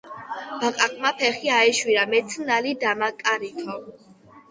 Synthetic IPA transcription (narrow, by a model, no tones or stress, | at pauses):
b̥aqʼakʼmapʰɛχiaɛʃwiɾamɛt̪sʰnalid̪amakʼaɾit̪ʰɔ